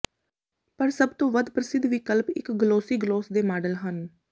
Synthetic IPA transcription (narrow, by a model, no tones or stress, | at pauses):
pəɾsəbt̪õːʋəd̪pɾəsɪd̪ʱʋiːkəlpɪkɡloːsiːɡloːsd̪eːmaːɖəlɦən